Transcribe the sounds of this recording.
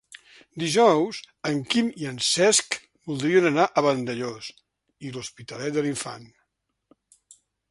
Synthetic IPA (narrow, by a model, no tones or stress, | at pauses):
d̪iʒɔwz | əŋkimiənsɛsk | bulˠd̪ɾiənənaʔəβənd̪əʎos | iluspit̪əlɛt̪̚d̪əliɱfa̰n